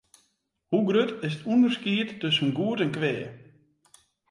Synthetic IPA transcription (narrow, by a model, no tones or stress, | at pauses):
huɡrøtɪstʰundərskiətːøsənɡuːətɛnkʋɛː